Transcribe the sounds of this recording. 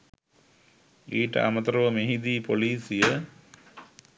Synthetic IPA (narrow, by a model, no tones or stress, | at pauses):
iːʈə̰ʔa̰mɐt̪ɐɾɐʋəmeɦid̪iːpoliːsijə